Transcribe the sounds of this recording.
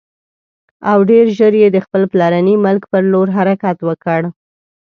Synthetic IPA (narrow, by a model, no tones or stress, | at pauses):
awɖeɾʒəɾjed̪əxpəlplɑɾanimʊlkpəɾloɾɦaɾakat̪wəkəɽ